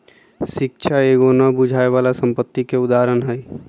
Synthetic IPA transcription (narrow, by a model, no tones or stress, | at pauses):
ʃɪkʃʰaeːɡoːnabʊd͡ʒʱaːeʋaːlasə̃mpət̪ːikeʊd̪aːɾənɦɛː